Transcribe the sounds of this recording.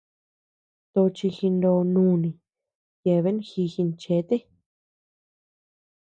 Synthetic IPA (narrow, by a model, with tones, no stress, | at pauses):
t̪o˧t͡ʃi˧xi˧nd̪o˧nũː˧˦˨nĩ˨ | je˨βe˦n˦xi˧xi˧nt͡ʃe˨˦t̪e˦